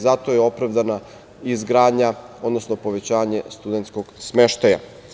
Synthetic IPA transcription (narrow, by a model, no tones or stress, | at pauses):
zat̪ojeo̞pɾavd̪ana | izɡɾaːd̪ɲao̞d̪no̞snopo̞ʋe̞t͡ɕaːɲest̪ud̪ent̪sko̞ɡsmeʃt̪aja̰